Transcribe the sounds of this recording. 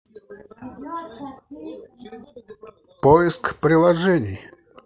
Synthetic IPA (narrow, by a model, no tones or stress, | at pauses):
pɔjɪskpɾʲɪlˠɐʐɛnʲḭj